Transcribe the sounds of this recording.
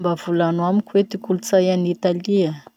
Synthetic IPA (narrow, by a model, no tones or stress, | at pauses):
bavulanwamikʲuwet̪ikulut͡sajanit̪aliə